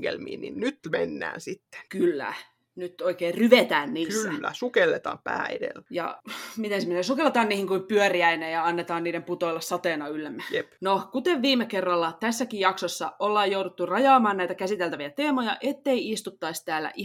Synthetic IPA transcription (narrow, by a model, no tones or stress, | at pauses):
ɡḛlmḭːnḭnnyt̪menːæ̰ːnsit̪ːe̥kylːæ̰ | nyt̪oikeːrryʋet̪æːnniːksylːæ̰sukelːet̪ɑ̰ːmpæːedḛlːjɑ̰mit̪ensminesukelːet̪ɑːnniːhiŋkuimpyœriæinejɑɑnːet̪ɑːnniːɾemput̪oilːɑssɑt̪eːnɑylːæmːæjepnokut̪eʋʋiːmːekerːɑlːɑt̪æsːækijjɑksosːɑʔolːɑːjjouɾut̪ːurɑjɑːmɑːnnæit̪ækæsit̪elt̪æʋiæt̪eːmojɑʔet̪ːeiist̪ut̪ːɑist̪æːlːæ̰ʔi